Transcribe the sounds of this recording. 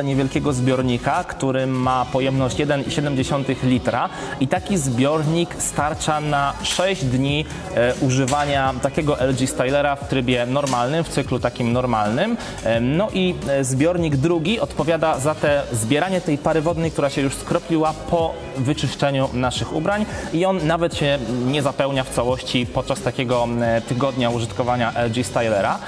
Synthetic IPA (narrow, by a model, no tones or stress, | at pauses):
ɲɛvʲjɛlkʲɛɡɔzbʲjɔɾɲikakt̪uɾɘːapɔjɛmnɔɕt͡ɕjɛd̪ɛniɕɛd̪ɛmd͡ʑeɕɔnt̪ɘxlʲit̪ɾa | it̪akʲizbʲjɔɾɲikst̪aɾt͡ʂanaʂɛʑd͡ʑd̪ɲi | ʔuʐɘvaɲat̪akʲɛɡɔʔɛlʐist̪ajlɛɾaft̪ɾɘbʲjɛnɔɾmalnɘmft̪sɘklut̪akʲimnɔɾmalnɘm | nɔʔizbʲjɔɾɲiɡd̪ɾuɡʲiɔt̪pɔvʲjad̪azat̪ɛzbʲjɛɾaɲɛt̪ɛjpaɾɘvɔd̪nɛjk̚t̪uɾaɕɛjuʂskɾɔpʲlʲiwapʰɔ | vɘt͡ʂɘʂt͡ʂɛɲunaʂɘxṵbɾaɲiɔnːavɛt̪ɕɛɲɛzapɛwɲaft̪sawɔɕt͡ɕipɔt̪̚t͡ʂast̪akʲɛɡɔt̪ɘɡɔd̪ɲauʐɨt̪kɔvaɲaʔɛlʐist̪ajlɛɾa